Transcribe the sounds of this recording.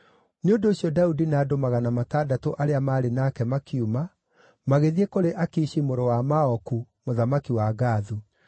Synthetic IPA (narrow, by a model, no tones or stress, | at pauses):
neondoːɕjɔdaudinadomaɣanamatadatoʔaɾeamaːɾenakɛmakʰiuma | maɣeðiekoɾeʔakiːɕimoɾowamaɔku | moðamakiwaɡaːðu